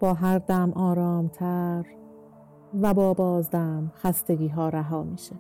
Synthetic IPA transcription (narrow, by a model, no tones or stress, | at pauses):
b̥ɒːɦæɾd̪æmʔɒːɾɒːmt̪ʰæɾ | væbɒːbɒːzd̪æmxæst̪eɡiːɦɒːɾæɦɒːmiːʃe